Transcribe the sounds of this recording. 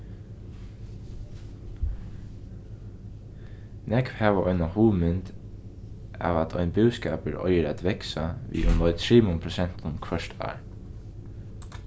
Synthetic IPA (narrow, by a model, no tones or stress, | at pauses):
nɛkʋhæːʋəʔɔʏnahuːmʏnt̪ | a̰ːʋat̪ʰɔ̰ʏnbʉːskɑːpəɹɔ̰ʏəɾæt̪ʋɛksaʋḭːʔʊmlɔʏt̪ʰɹiːmʊmpʰɾʊsɛn̥t̪ʊnkʰʋœʃt̪ʰɑ̰ːɹ